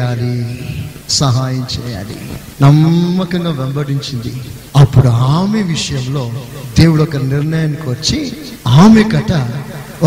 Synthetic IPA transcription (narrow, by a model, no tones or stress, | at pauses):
aːli | sɐɦaːjɐmt͡ʃɛːja̰ːlḭ | nɐmːɐkɐŋɡaːʋembɐɽiɲt͡ʃind̪i | ɐpːuɽuaːmeʋiʂɐjɐmlo̞ːd̪e̞ːwuɽɔkɐniɾɳɐjaːnːikiʋɐt͡ʃːi | aːmekɐʈɐ